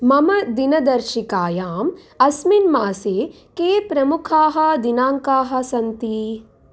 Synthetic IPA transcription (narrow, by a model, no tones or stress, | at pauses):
mɐmɐd̪inɐd̪ɐɾʃikaːjaːm | ɐsminmaːseː | keːpɾɐmukʰaːɦɐ̆d̪inaːŋkaːɦɐ̆sɐnt̪i